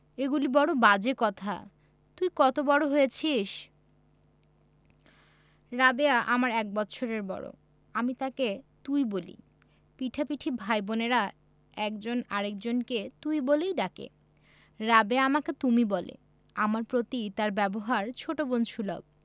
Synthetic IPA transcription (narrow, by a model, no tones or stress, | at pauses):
eɡulibɔɽobad͡ʑekɔt̪ʰa̰ | t̪ujkɔt̪obɔɽoɦojet͡ɕʰiʃ | ɾabeaʔamaɾɛk̚bɔtːɕʰoɾeɾbɔ̰ɽo̰ | amit̪aket̪ujbolḭ | piʈʰapiʈʰibʱajboneɾa | ɛkd͡ʑonaɾek̚d͡ʑonket̪ujbolejɖakḛ | ɾabeaamaket̪umibɔlḛ | amaɾpɾot̪it̪aɾbɛboɦaɾt͡ɕʰoʈobonʃulɔ̰b̚